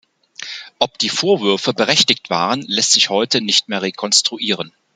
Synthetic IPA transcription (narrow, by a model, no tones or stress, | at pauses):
ʔɔpd̥iːfoːɐvʏɐfəbəʁɛçtɪktv̥a̰ːʁ̞ənlɛstz̥ɪçhɔʏtənɪçtmeːɐʁekʰɔnstʁ̥uʔiːʁ̞ən